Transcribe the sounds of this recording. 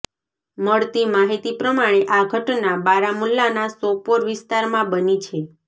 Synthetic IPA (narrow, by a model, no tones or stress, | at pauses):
məɭt̪imaɦit̪ipɾəmaɽ̃eʔaɡʱəʈnabaɾamulːanasopoɾʋɪst̪aɾmãbənit͡ʃʰe